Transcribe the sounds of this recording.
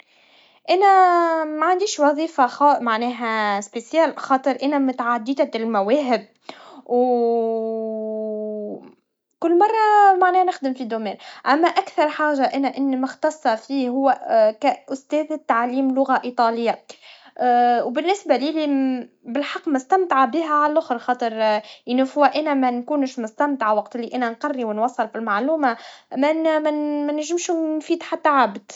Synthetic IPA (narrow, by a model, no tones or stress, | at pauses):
ʔænæmaʕand̪iːʃwɑðˤiːfaxɑmaʕnɛːɦæspesjæːlxɑːt̪ˤɨɾʔænæmʊt̪ʕad̪ːid̪æt̪ɪlmæwɛːɦɪb̚ | w | kʊlːmɑrˤːɑmaʕnɛːhnɪxd̪ɪmfid̪omɛːnʔæmːæʔækθɑɾˤħaːʒaʔænæʔɪnːmɪxt̪ɑsˤːɑfiːhʊwːækæʔʊst̪ɛːðt̪ːaʕliːmlʊɣaʔit̪ˤɑːlɪjːa | wbɪnːɪsbæliːli | bɪlħɑqːmʊst̪amt̪aʕabiɦæʕallʔʊxɾxɑːt̪ˤɨɾʔɪnːufʊwaʔænæmænkuːnʃmʊst̪amt̪aʕawɑqt̪ʔɪlːiʔænænqɑrːiwɪnwɑsˤːɑlfilmaʕluːmamæmmænɪʒɪmʃunfiːd̪ħat̪ːaʕabd̪̥